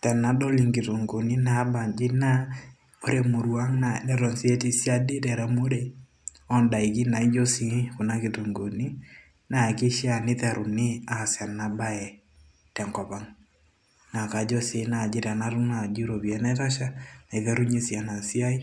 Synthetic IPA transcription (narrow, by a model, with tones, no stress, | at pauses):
tɛ˨na˨˦do˦li˨ŋɡi˨to˨ŋɡo˨ni˦na˨˦ba˨nd͡ʒɪ˦na˦ | o˦ɾe˨mu˨ɾwa˦ŋna˨dɛ˦ɾo˨nsi˦ɛ˦ti˨sja˦dɪ˦ɾɛ˨ɾa˦mo˦ɾe˨ | ɔ˦nda˨i˨ki˦na˨i˦d͡ʒo˦si˦kʊ˨na˦ki˨to˨ŋɡo˨ni˦ | na˨kɪ˦ʃja˦˨nɪ˦tɛ˨ɾʔu˨nɪ˦a˨sja˨na˨ba˦ɛ˨ | tɛ˨ŋkɔ˨pa˦ŋ | na˨ka˨d͡ʒo˦se˨˦na˨d͡ʒɪ˦ɾa˨na˦ɾʊ˦ŋna˨d͡ʒi˦ɾo˨bi˨ɛ˦nɛ˦ta˦ʃa˦na˨i˨ðɛ˦ɾu˦ɲi˦sja˨na˨si˦a˦i˦